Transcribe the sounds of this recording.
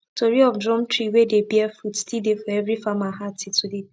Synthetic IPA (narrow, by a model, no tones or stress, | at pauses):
tʰoɾiɔfdɾɔ̃mtɾiwedebjɛfutstidefɔɛvɾifamaɦatitʰude